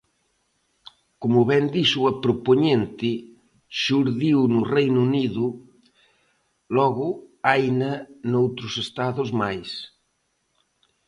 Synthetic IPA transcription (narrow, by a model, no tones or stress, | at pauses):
komʊβɛnd̪iʃuɐpɾopoɲent̪ɪ | ʃuɾðiwnʊrejnuniðʊ | lɔɣʊajnɐnowt̪ɾʊsest̪aðʊzmajs